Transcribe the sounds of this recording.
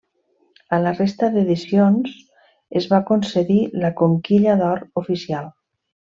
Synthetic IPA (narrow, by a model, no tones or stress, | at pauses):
ələrest̪əðeðisions | ezβakonsəðiləkoŋkiʎəðɔɾufisialˠ